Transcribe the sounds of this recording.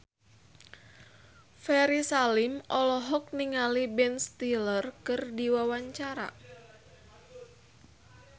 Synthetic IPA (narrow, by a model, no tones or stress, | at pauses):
fɛɾisalimʔɔlɔɦɔk̚niŋalibɛnst̪ilərkɨrdiwawaɲt͡ʃaɾa̰